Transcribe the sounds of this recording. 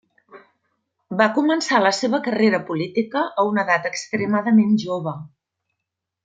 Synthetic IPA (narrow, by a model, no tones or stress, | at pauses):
bakumənsaləseβəkəreɾəpulit̪ikəʔəunəðat̪əkst̪ɾəmaðəmenʒoβ̞ə